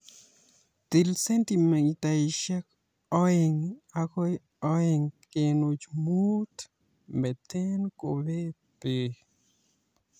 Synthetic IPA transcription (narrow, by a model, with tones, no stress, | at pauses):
t̪i˨lse˦nt̪i˨me˨ŋi˧t̪a˨i˨ʃɛ˦k | ɔ˦e˧ŋa˦ko˦j | ɔ˦e˧ŋke˨no˨t͡ʃmu˦t̪ | me˨t̪e˦nko˨βe˦ | pe˨